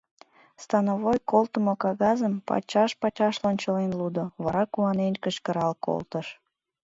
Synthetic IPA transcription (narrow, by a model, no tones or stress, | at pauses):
st̪ɑnoβojkolt̪əmokɑɣɑzəmpɑ̰t͡ɕɑʃpɑt͡ɕɑʃlonʲt͡ɕəlenlud̪oβɑɾɑkuɑnenkəʃkə̆ɾɑlko̰lˠt̪əʃ